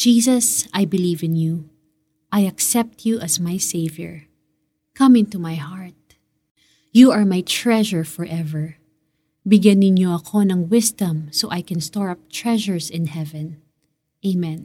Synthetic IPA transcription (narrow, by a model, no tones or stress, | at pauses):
d͡ʒisɐsajbɪlivɪ̃nju | ʔajɐksɛp̚t̪ʰjuʔɐsmajseɪvjɛ̰ɹ | kɐ̃mɪ̃nt̪umajhaɹt̪̚ | juɐɹmajt̪ɹɛʒɛɹfɔɹʔɛvɛɹ | bɪɡjanɪnjoɐkʰo̞nɐŋwɪsd̪ɐ̃msoʔajkɛ̃nst̪ɔɹɐp̚t̪ɹɛʒəɹsɪ̃nhɛvɛ̃n | ʔeɪmɛ̃n